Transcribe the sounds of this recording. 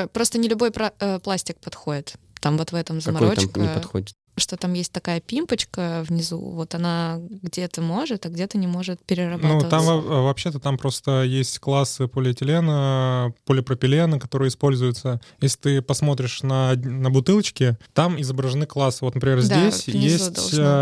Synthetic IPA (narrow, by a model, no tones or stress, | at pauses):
pɾo̞st̪ənʲɪlʲʊbo̞jpaəplˠasʲtʲɪk̚pɐt̪xo̞dʲɪt̪t̪ːamvo̞t̪vɛt̪əmzəmɐɾokɪpt̪xodʲɪt̪ʂt̪o̞t̪amjesʲt̚ʲt̪ɐkajəpʲimpət͡ɕkəvnʲɪzṵvo̞t̪ɐnaɡdʲet̪əmo̞ʐɨt̪aɡdʲe̞t̪ənʲɪmo̞ʐɨt̪̚pʲɪɾʲɪrɐbnuət̪amvɐpɕːe̞t̪ət̪ampɾo̞st̪əjesʲtʲklˠasːɨpolʲɪtʲɪlʲenəpolʲɪpɾəpʲɪlʲenəkɐt̪o̞ɾɨjəɪspo̞lʲzʊjʊt̪səjesʲlʲɪ̥t̪ɨpɐsmo̞t̪̬ɾʲɪʂnənəbʊt̪ɨlˠət͡ɕkʲɪt̪amɪzəbɾəʐɨnɨklˠasːɨvot̪nəpɾʲɪmʲezʲd̪d̪ʲessʲjesʲtdʲto̰